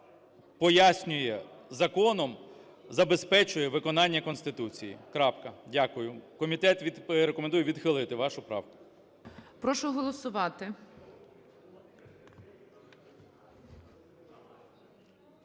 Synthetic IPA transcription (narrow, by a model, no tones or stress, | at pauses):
pɔjasʲnʲʊjɛzɐkɔnɔm | zɐbe̞spɛt͡ʃʊjɛʋɪkɔnɑnʲːɐkɔnst̪ɪt̪ut͡sʲijḭkɾɑpkɐdʲakʊjʊkɔmʲit̪ɛt̪ʋʲiɾekɔmend̪ujɛʋʲid̪xɪlˠʊɪjet̪ɪʋɑʃʊpɾɑ̰wkʊ̥ | pɾɔʃʊɦɔlˠɔsʊʋɑt̪ɪ